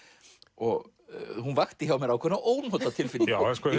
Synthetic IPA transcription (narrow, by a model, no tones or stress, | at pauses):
ɔɣ | hunvaxt̪ɪçawmɛɾawkʰœnaʔoːwnhɔt̪at̪ʰɪlfɪlaɛskɔ